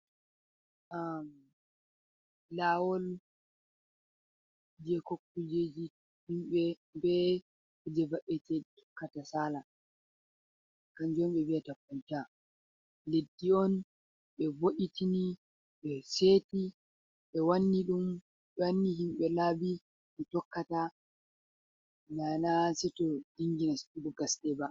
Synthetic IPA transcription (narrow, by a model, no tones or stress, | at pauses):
ʔa | lawɔl | d͡ʒɛkokːud͡ʒed͡ʒi | himɓɛ | bɛ | kud͡ʒɛvaʔɛtɛtu̥kːatasaːla | kand͡ʒomɓɛbiatakunta | ledːiɔn | ɓɛvoʔitini | ɓɛseːti | ɓɛwanːiɗum | ɓɛwanːiɦimɓɛlabi | ɓɛtɔkːata | nanasɛtɔd̥iŋɡinastiɗuɡasdɛba